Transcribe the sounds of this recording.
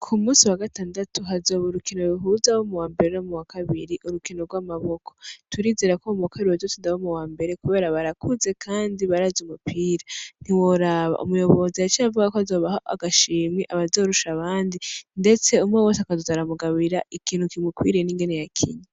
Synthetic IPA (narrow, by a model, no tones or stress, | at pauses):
kʰumuːsiwaɡataːndatuɦazo̞ːβoɾukino̞ɾuɦuzawomuwaːmbe̞ɾenomuwakaβiɾiʔuɾukino̞ɾɡwaːmaβo̞kʰo̞̥tuɾiːzeɾakomuwakaɾiuhozotindawomuwaːmbe̞ɾe̞kuβe̞ːɾaβaɾakʰuze̞kʰaːndiβaɾazumupʰiːɾan̥iwoɾaβa̰ʔṵmujo̞βo̞ziait͡ʃiavuɡakoazo̞ːβahoʔa̰ɡaʃiːmŋeʔaβazo̞ːɾuʃaβaːndinde̞t͡se̞umŋewo̞ːsakazuzaɾamuɡaβiɾaikiːnhukimukwḭːɾieniːŋɡe̞nejakʰḭɲa